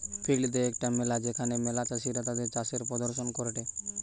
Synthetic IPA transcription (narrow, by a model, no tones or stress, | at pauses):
pʰilid̪eekʈamelad͡ʑekʰanemelat͡ʃaʃiɾat̪ad̪eɾt͡ʃaseɾpɾɔd̪oɾʃonkoɾeʈe